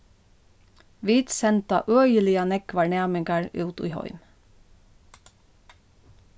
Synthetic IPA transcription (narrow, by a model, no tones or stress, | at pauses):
ʋiːt̪sɛnt̪ɑ̰ʔøːjəlɪɑnɛkʋɑɳæːmɪŋɡɑɹʉːt̪ḭːhɔ̰ʏm